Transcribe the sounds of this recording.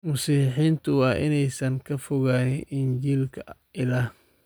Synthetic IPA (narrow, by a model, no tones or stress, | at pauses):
mʊsiːħiːnt̪ʰʊwɑːʔɪnɛjsɐŋkʰɐfʊɣaːnɪɪɲt͡ʃiːlkʰɐ | ɪlaːh